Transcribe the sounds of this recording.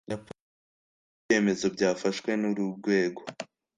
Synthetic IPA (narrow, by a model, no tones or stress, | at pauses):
jap | e̞ːme̞zo̞bjɟaːfaʃwe̞nuɾuɾɡwe̞ːɡo